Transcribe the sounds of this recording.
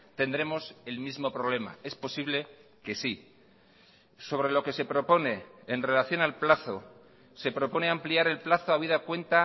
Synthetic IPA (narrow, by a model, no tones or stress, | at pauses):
t̪e̞nd̪ɾe̞mo̞se̞lmizmo̞pɾo̞β̞le̞ma̰e̞spo̞siβle̞ | ke̞si | so̞β̞ɾe̞lo̞ke̞se̞pɾo̞po̞ne̞ːnre̞laθjo̞nalplaθo̞ | se̞pɾo̞po̞ne̞ampliaɾe̞lplaθoaβ̞iðakwe̞nt̪a